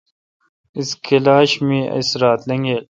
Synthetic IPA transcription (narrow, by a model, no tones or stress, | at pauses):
iskʰelaːɕmĩːɐ̰sɾaːt̪lɐŋɡel